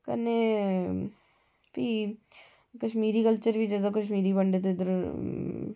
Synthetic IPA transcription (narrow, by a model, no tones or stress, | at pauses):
kɐ̰ne | pi | kɐʃmiːɾikəlt͡ʃəɾbʱid͡ʒɛd̪okɐʃmiːɾibɐɳɖet̪̬oɪd̪əɾ